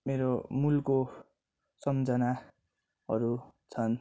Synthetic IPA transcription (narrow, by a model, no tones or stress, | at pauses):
meɾomulko | sʌmd͡zʌna | ʌɾut͡sʰʌn